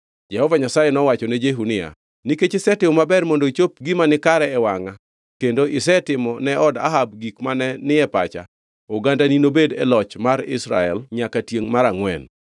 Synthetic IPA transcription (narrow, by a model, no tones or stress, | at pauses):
d͡ʒɛhɔvaɲasajɛnɔwat͡ʃɔned͡ʒeɦunɪa̰ | niket͡ʃɪsɛtɪmɔmabɛrmondot͡ʃopɡimanɪkaɾɛɛwaŋa | kendoʔɪsɛtɪmɔnɛʔɔda̰ɦab̚ɡikmanɛnɪɛpa̰t͡ʃa̰ | oɡandaninobedɛ̰lɔt͡ʃmaɾɪ̰sɾa̰ɛ̰lɲakatjeŋmaɾaŋwɛ̰n